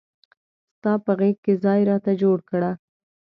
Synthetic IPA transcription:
st̪ɑpəɣekkːezɑjɾɑt̪ad͡ʒoɽkɽa

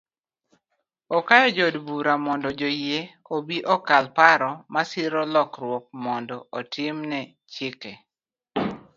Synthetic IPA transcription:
ɔkajɔd͡ʒɔdbuɾamɔndɔd͡ʒojje | obiʔɔkalpaɾɔmasɪɾɔlɔkrwɔk̚mɔndɔɔtʰɪmnɛ | t͡ʃɪkɛ

